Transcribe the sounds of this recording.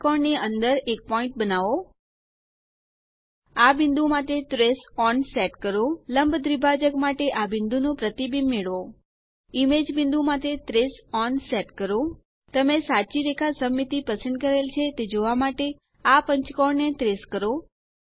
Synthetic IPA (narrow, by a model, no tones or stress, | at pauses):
kɔɳniənd̪əɾek̚pɔĩɳʈ̚bənaʋo | abɪnd̪umat̪et̪ɾesɔnsɛʈkəɾoləmbʱd̪ɾibʱad͡ʒəkmaʈeʔabɪ̃nd̪unũpɾət̪ibinmeɭʋo | imed͡ʒbɪ̃nd̪umat̪et̪ɾesɔnsɛʈkəɾo | t̪əmesat͡ʃiɾekʰasəmːit̪ipəsənd̪̚kəɾelt͡ʃʰet̪ed͡ʒoʋamaʈe | apəɲt͡ʃkɔɳnet̪ɾeskəɾo